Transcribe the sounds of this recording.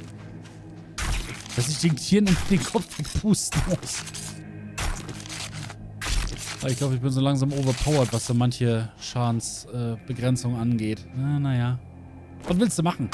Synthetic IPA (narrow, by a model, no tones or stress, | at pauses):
d̥as̬ɪçd̥eːntʰiːɐnɪmdeːnkʰɔp͡ffv̥ɛkpʰuːstn̩mʊs | a̰ɪçɡ̥laʊbəɪçb̥ɪnzoːlaŋzaːmʔoːvɐpʰaʊɐtv̥asz̥oːmançəʃaːnsʔɛːb̥əɡʁɛnt͡sʊŋənʔanɡeːtanajaː | vatv̥ɪlstd̥uːmaχn̩